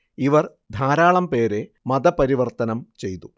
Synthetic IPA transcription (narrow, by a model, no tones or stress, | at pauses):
iʋɐr | d̪ʱaːɾaːɭɐmpe̞ːɾe̞ | mɐd̪ɐpɐɾiʋɐrt̪ɐnɐmt͡ɕe̞jt̪u